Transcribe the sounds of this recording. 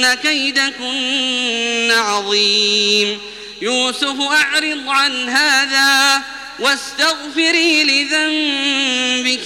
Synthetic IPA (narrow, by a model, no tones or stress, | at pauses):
nakajd̪akʊnː | aʕɑðˤiːm | juːsʊfʔaʕɾɨd̪ˤʕanɦaːðaː | wast̪aɣfɪɾiːlɪðam | bɪk